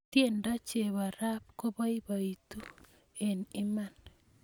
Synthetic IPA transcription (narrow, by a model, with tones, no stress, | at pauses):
t̪je˦nda˦t͡ʃe˨βa˨ɾa˦pko˦βa˦i˦βait̪u˦ | e˨ni˦man